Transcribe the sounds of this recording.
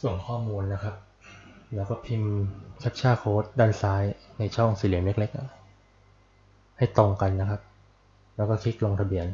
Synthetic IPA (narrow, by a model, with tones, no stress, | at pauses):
su˨˩ənkʰɔː˥˩muː˧nːa˦˥kʰa˦˥p̚ | lɛː˦˥wkɔː˥˩pʰi˧mt͡ɕʰa˦˥t̪̚t͡ɕʰaː˥˩kʰoː˦˥t̪̚daː˥˩nsaː˦˥jna˧jt͡ɕʰɔ˥˩ŋsiː˨˦li˨˩˦me˦˥k̚le˦˥k̚ʔa˨˩ | ha˥˩jt̪o˧ŋka˧nːa˦˥kʰa˦˥p̚ | lɛː˦˥kɔː˥˩kʰi˦˥k̚lo˧ŋt̪ʰa˧bi˧ən